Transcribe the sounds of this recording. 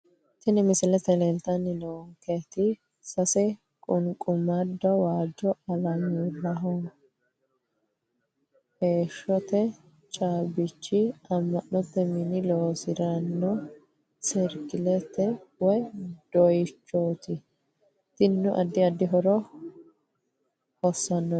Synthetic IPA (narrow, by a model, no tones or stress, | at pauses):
t̪ɪnɪmɪsɪlɛt̪ɛlɛnt̪ɐnːɪnoːŋket̪ɪ | sɐsɛ | kʼʊŋkʼʊmɐd̪ːɔwaːd͡ʒɔʔɐlɐmulɐɦɔ | heːʃːɔt̪ɛ | t͡ʃʼaːbɪt͡ʃːɪɐmːɐnnɔt̪ːɛmɪnɪloːsɪɾɐnːɔ | sɛɾkɪlɛt̪ːɛwɔjd̪̥ɔjɪt͡ʃːoːt̪ɪ | t̪ɪnnːʊʔɐd̪ːɪɐd̪ːɪɦɔɾɔ | hɔsːɐnːɔ